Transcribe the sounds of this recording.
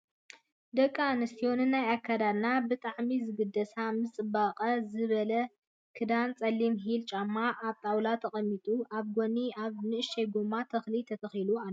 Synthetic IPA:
d̪ɐkʼːanɨst̪ʰijo̞nɨnːajakʰːad̪ad̪nabɨt̪ʼaʕmizɨɡɨd̪ɐsamɨt͡sʼɨbaqʼɐzɨβɐlɐ | kʰɨd̪ant͡sʼɐlːimɦilt͡ʃʼamːaʔːβt̪ʼawlat̪ʰɐχʼɐmːit̪ʼuʔaβɡoniaβnɨɨʃejɡumat̪ʰɐxlit̪ʰɐt̪ʰɐxilua

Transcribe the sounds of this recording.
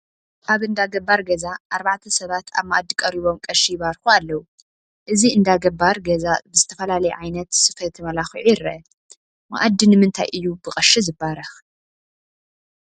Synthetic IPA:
kaβɨnd̪aɡɐbːaɾɡɐzaʔaɾbaʕt̪ʰɐsɐβat̪ʰa̰βma̰ʔad̪ːikʼɐɾiβo̞mkʼɐʃiβaɾxualːɐwu | ʔɨziɨnd̪aɡɐbːaɾɡɐzabɨzɨt̪ʰɐfɐlalɐjɛʕajnɐt̪sɨfɐt̪ʰɨmɐlaxiʕujɪɾɐ̰ | ma̰ʔad̪ːinɨmɨnt̪ʰa̰jʔɨjːubɨqʼɐʃizɨbːaɾɐx

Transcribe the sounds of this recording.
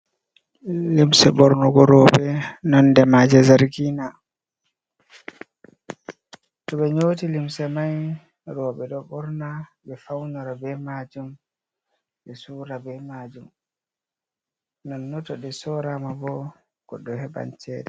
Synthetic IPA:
limsɛbɔɾnɔɡɔɾɔːbɛnɔndɛmad͡ʒɛzaɾɡina | tɔɓɛɲoːtilimsɛmaj | ɾɔːbɛɗɔbɔɾnabɛfawnɔɾabɛmaːd͡ʒum | bɛsuːɾabɛmaːd͡ʒum | nɔnːɔtɔɗɛsɔɾamabɔ | ɡ̥ɔɗɔhɛba̰nt͡ʃʰɛːdɛ

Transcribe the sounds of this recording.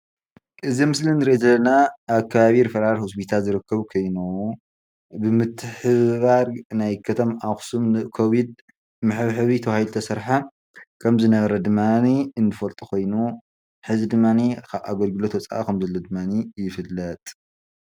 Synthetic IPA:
ʔɨzimɨslinːɨɾezɐlːɐnaːβkʰːɐβaβiɾfɐɾaɾhos̬pʰit̪ʰalzɨɾɨkʰːɐβkʰojnow | bɨmɨt̪ʰːɨħɨβaɾnajkʰɐt̪ʰɐmaxsumɨkʰoβid̪̚ | mɨħɨβħɨβit̪ʰɐβahilt̪ʰɐsɐɾħa | kʰɐmzɨnɐβɐɾɐd̪ɨmːaniɨnːɨfɐlt̪ʼuko̞jnu | ħɨzid̪ɨmːanikʰaβʔaɡɐlɡɨlot̪wɐt͡sʼa̰ʔakʰɐmzɐlːod̪ɨmːanijɪfɨlːɐt̪ʼ

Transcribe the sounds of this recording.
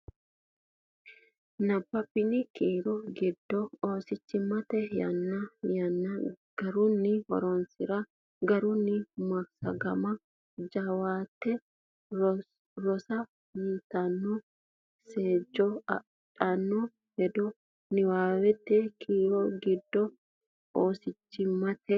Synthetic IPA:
nɐbːɐpːɪnɪkiːɾɔɡɪd̪ːɔoːsɪt͡ʃːɪmːɐt̪ɛjɐ̰nːɐjɐnːɐɡ̥ɐɾʊnːɪhɔ̰ɾɔnsɪɾɐ | ɡɐɾʊnːɪmɐɾsɐ̰ɡɐmɐ | d͡ʒɐwaːt̪ːɛ | ɾɔsɐ | jiːt̪ɐnːɔ | seːd͡ʒːɔ | t͡ʃʼɐnːɔ | hɛd̪ɔ | nɪwaːwɛt̪ːɛkʰiːɾɔɡɪd̪ːɔ | oːsɪt͡ʃːɪmːɐt̪ɛ

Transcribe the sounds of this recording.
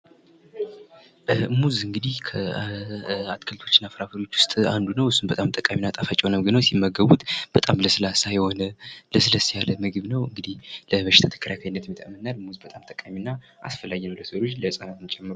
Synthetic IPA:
muzɨŋɡɨd̪ihkʰə | at̪kʰəlt̪ʰo̞t͡ʃːɨnːafəɾafəɾio̞t͡ʃːwʊ̥st̪ʼand̪unəwhɨsːunbət̪ʼamt̪ʼəkʼaminːat̪ʼafat͡ʃʼwonəmɨɡɨnəwsimːəɡəβut̪b̥ət̪ʼamləsɨlasajho̞nələsɨləsijaləmɨɡɨβnəwɨŋɡɨd̪ihləβəʃɪ̥t̪ʰat̪ʰə̥kʰəɾakʰajɪnːət̪mjɨt̪ʰamːənnalmuzbət̪ʼamt̪ʼəkʼaminːa | ʔa̰sfəlajɛnəwləsɾot͡ʃːləsʼanat̪ɨmt͡ʃʼɛmːɨɾ

